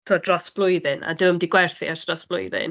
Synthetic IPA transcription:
tʰoːdrɔsb̥lˠʊjðɨna̰dɨwəmdɪɡwɛrθɪ̰arsrɔsb̥lˠʊ̰jðɪ̰n

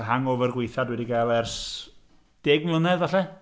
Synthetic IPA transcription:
ɦaŋɔvərɡwejθadwɛdiɡaːlˠɛrs | d̥eːɡmlʊnɛðaɬɛ

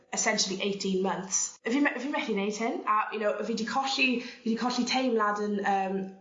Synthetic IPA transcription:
ɛsɛnʃəlˠiʔejtʰĩnmənθsəvimɛʔəvimɛθineɪd̥̚hɪnəjənoʊʔəvidikʰɔɬiviːdikʰɔɬitʰejmladənəːm

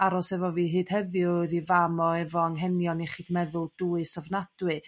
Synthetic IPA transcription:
aɾɔsɛvɔviːɦɨːd̥hɛðjʊðivamɔɛvɔəŋɦɛnjɔniχiːdmɛðʊlˠd̥uːɨsɔvnad̥wɨ

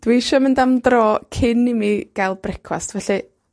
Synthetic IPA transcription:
d̥wejʃɔmɪndamdrɔːkʰɪnimiɡ̥ajlˠbrɛkʰwa̰stvɛɬɨ

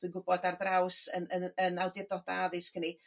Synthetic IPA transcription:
d̥winɡʊbɔdardrawsənəənawdɪrdɔdaðɨskʰəni

